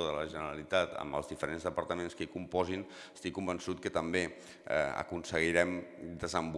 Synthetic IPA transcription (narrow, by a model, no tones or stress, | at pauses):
oðələʒənəɾəlit̪at̪ə̰mbə̰lzðifəɾenzðəpəɾt̪əmenskəikumpɔzin | əst̪ikːumbənsut̪̚kət̪əmbḛ | ə̰kunsəɣiɾɛmd̪əzəmb